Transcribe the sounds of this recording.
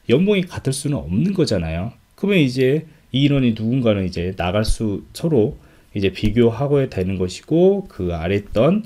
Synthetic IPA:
jʌmboŋikatʰɯɭs͈unɯnʌmnɯnɡʌd͡ʑanajo | kɯmjʌnid͡ʑe̞ | iːɾwʌɲinuɡunɡanɯnid͡ʑe̞naɡaɭs͈ut͡ɕʰʌɾo | id͡ʑe̞piɡjoɦaɡoetenɯnɡʌɕʰi̥ɡ̥okɯa̰ɾe̞t̚t͈ʌn

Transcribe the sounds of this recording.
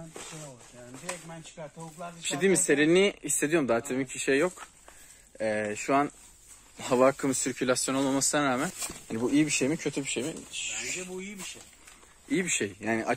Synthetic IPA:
iɛnt͡ʃʰaɾˠaiʃt̪ed̪iːmise̞ɾeniist̪e̞d̪ijo̞ɾumd̪aːt̪ʰemicbiʃejːo̞k | ɛːʃuan | havakʰɯmsiɾcʰylʲasjo̞nolˠalˠmasɯnanɾaːmænhanibuʔijibiʃe̞jmicʰø̞t̪ʰybiʃejmiɛbuijibiʃej | ijibiʃejjaːnḭʔa

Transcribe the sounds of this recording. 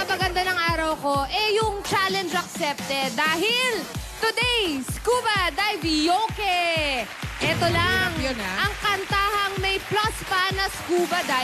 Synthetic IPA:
ɐmɐɡɐnd̪anɐŋʔaːɾɐwko̞ʔɛjʊŋt͡ʃaːlɛnd͡ʒɐksɛp̚t̪ɛd̪aːhɪlt̪ʊd̪ɛjskuːbɐd̪ajvijokɛ | ʔɛt̪olaŋjʔɐŋkɐnt̪aːhɐŋmɐjplaspɐnɐskuːbɐd̪a

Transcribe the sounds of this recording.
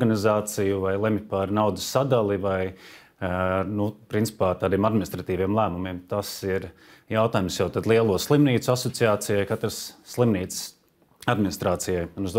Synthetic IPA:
ɡanizaːt̪sijuvajlˠɛmpaɾnawd̪usːad̪alˠivaj | nupɾint̪si̥paːt̪aːd̪iɛmad̪minist̪ɾat̪iːʋijɛmlˠæːmumiɛːmt̪asiɾ | jawt̪aːjumsjawt̪ad̪lˠiɛlˠuɔslˠimniːt̪sʊasɔt̪siaːt̪sijajkat̪ɾəsːlˠimniːt̪ss | ad̪mɪnɪst̪ɾaːt̪sijajunuzd̪

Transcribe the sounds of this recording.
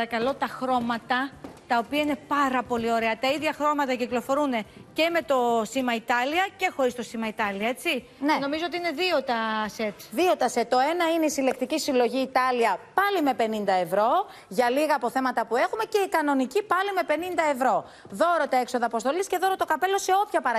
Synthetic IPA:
ɐɾɐkɐlo̞t̪ɐxɾo̞mɐt̪ɐt̪ɐopiɐine̞pɐɾɐpo̞lio̞ɾe̞ɐt̪ɐiðʝɐxɾo̞mɐt̪ɐciklo̞fo̞ɾune̞ce̞me̞t̪o̞simɐit̪ɐliɐce̞xo̞ɾist̪o̞simɐit̪ɐliɐe̞t͡si | nno̞mizoot̪iine̞ðio̞t̪ɐse̞t̪ðio̞t̪ɐset̪ːo̞e̞nɐineisile̞k̚t̪icisilo̞ʝiːt̪ɐliɐpɐlime̞pe̞nind̪ɐe̞vɾo̞ | ʝɐliɣɐːpo̞θe̞mɐt̪ɐpue̞xume̞ce̞ikɐno̞nicipɐlime̞pe̞nind̪ɐe̞vɾo̞ | ðo̞ɾo̞t̪ɐe̞kso̞ðɐːpost̪o̞lisce̞ðo̞ɾot̪o̞kɐpe̞lo̞se̞o̞pçɐpɐɾɐ

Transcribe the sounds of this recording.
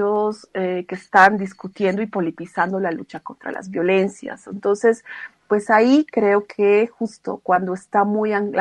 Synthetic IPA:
osekest̪and̪iskut̪je̞nd̪o̞ipo̞lipisand̪o̞lalut͡ʃako̞nt̪ɾa̰la̰zβjo̞le̞nsja̰sent̪o̞nse̞spwe̞saikɾe̞o̞kʰexust̪o̞̰kwand̪oest̪amujaŋ

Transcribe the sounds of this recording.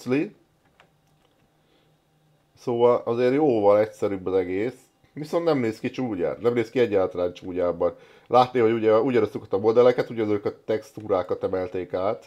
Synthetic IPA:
li | soːvɒlɒzeːrjoːvɒlɛcsɛɾybːɒzɛɡeːs | ʋiso̞nt̪nɛmneːskit͡ʃuːɟa̰ːt̪nɛmneːskiɛɟːaːlt̪ɒlaːnt͡ʃuːɟaːbɒn | lʔaːt̪neːho̞ɟuɟɛuɟɒɾost̪ukɒ̥t̪ɒmo̞d̪ɛlɛkɛt̪uɟɛnøːkɒt̪ɛkst̪uːɾaːkɒt̪ɛmɛlt̪eːkaːt̪

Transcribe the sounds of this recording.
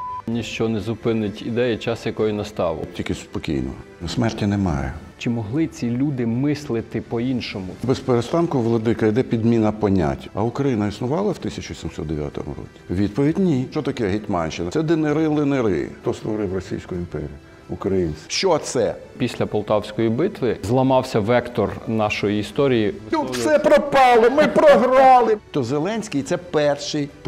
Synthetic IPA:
nʲiʃt͡ʃɔnɛzʊpɪnɪtʲid̪ɛjɛt͡ʃɑsjɐkɔjʊnɐst̪ɑʋʊ̰tʲilʲkɪspɔkʲḭjnɔ̰nɔsmɛrtʲinemɑ̰jɛ̰t͡ʃɪmɔɦlˠɪt͡sʲilʲud̪ɪmɪslˠɪt̪ɪpɔinʃɔmʊbespeɾest̪ɑnkʊʋlˠɔd̪ɪkɐjd̪ɛpʲid̪mʲinɐpɔnʲa̰tʲːɐʊkɾɐjinɐisnʊʋɑlˠɐwt̪ɪsʲɐt͡ʃʊʋʲisʲimsɔ̰t̪d̪eʋʲja̰t̪ɔ̰mɾɔ̰kʲi̥ʋʲit̪̚pɔʋʲidʲnʲiʃt͡ʃɔt̪ɐkɛɦɪtʲmɑ̰nʲʃɪnɐsɛd̪ɪneɾɪlˠɪneɾɪ̰t̪ɔst̪ʋɔɾɪwrɔsʲḭjsʲkʊjʊimpɛɾʲḭj | ʊkɾɐjinsʲʃt͡ʃɔt̪sɛpʲisʲlʲɐpɔlˠt̪ɑwsʲkɔjibɪt̪ʋɪzlˠɐmɑwsʲɐʋɛkt̪ɔrnɑʃɔjiːst̪ɔɾʲijiufsɛpɾɔpɑlˠɔmɪpɾɔɦrɑlˠɪt̪ɔzelˠɛnʲsʲkʲijt̪sɛpɛrʃɪjp

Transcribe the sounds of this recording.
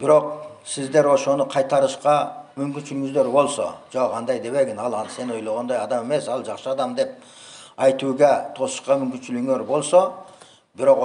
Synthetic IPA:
b̥ɪɾo̞q̚sɪzd̪e̞ɾwoʃo̞nəqʰɑjt̪ɑɾəʃqɑmʏmkʲɪnʃɪlɪŋɪzd̪e̞ɾbo̞lˠso̰d͡ʒoɑnd̪ɑjd̪e̞βe̞ɡʲɪnɑlˠɑse̞no̞jlˠɑʁɑnd̪ɑjɑd̪ɑme̞me̞sɑlˠʒɑqsəɑd̪ɑmd̪e̞p̚ | ɑjt̪uɡʲet̪ʰo̞sə̥ʃqɑmʏmkʲɪnʃɪlɪɡŋe̞ɾbo̞lˠso | bɪɾo̞q

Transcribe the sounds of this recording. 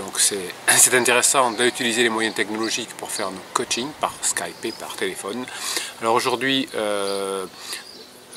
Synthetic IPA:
d̪ɔ̃ksɛsɛt̪ɛ̃t̪eʁesɑ̃d̪əyt̪ilizelemwajɛ̃t̪ɛknɔlɔʒikpuʁfɛʁnokot͡ʃiŋpaʁskajpepa̰ʁt̪elefɔnalɔʁoʒuʁd̪ɥiø

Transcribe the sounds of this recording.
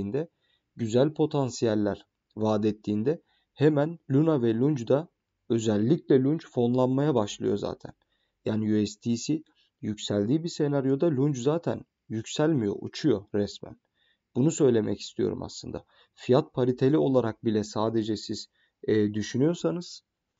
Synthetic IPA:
nd̪ɛ | ɟyzælʲpʰo̞t̪ʰansijælʲːæɾ | vaːd̪ɛt̪ʰːiːnd̪ɛ | hemænlʲunavɛlʲund͡ʒd̪a | ø̞zælʲːiclʲɛlʲunt͡ʃfo̞nlˠanmajabaʃlˠɯ̰jo̞za̰ːt̪ʰæ̰n | jaːnijyɛst̪ʰiːsi | jycsælʲd̪iːbise̞naɾjo̞d̪alʲund͡ʒzaːt̪ʰæn | jycsælʲmijo̞̰ʔṵt͡ʃʰujo̞ɾɛsmæ̰n | b̥unusø̞jlʲe̞mɛ̰ci̥st̪ʰijo̞̰ɾṵma̰slˠɯnd̪a̰ | fijat̪̚pʰaɾit̪ʰelʲio̞lˠaɾak̚bilʲɛsaːd̪e̞d͡ʒɛsiz̥ː | d̪yʃynyjo̞sanɯz̥

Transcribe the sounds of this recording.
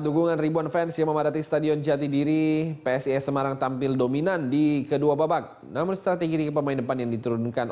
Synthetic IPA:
dukuŋanribuanfɛnsjaməmadat̪ist̪adiɔnd͡ʒat̪idiɾipeɛsiɛsəmaɾaŋt̪ampɪldominandikəduababak̚ | namʊnst̪ɾat̪eɡiɾikəp̬əmaɪndəpanjaŋdit̪uɾʊnkan

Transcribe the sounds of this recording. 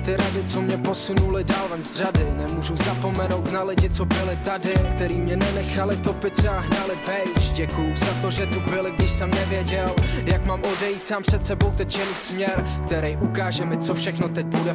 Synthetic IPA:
t̪ɪɾadɪt͡so̞mɲɛposunulɪdaːlvɛnzr̝adɪnɛmuːʒuzapo̞mɛno̞wt̪nalɪɟɪt͡so̞bɪlɪt̪adɪkt̪ɛɾiːmɲɛnɛnɛxalɪt̪o̞pɪt̪t̪sɛaɦnalɪvɛjt͡ʃɟɛkujʊzat̪o̞ʒɛt̪ubɪlɪɡdɪʃsɛmnɛvjɛɟɛljakmaːmo̞dɛjiːt̪saːmprsɛt̪sɛbo̞wt̪ɛct͡ʃɛnuːsmɲɛɾkt̪ɛɾɛjʔukaːʒɛmɪt͡sofʃɛxno̞t̪ɛc̚pudɛ

